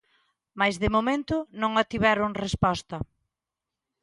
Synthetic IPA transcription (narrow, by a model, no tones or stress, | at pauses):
majzðemomẽnt̪ʊnõŋat̪iβɛɾʊŋrespɔst̪ɐ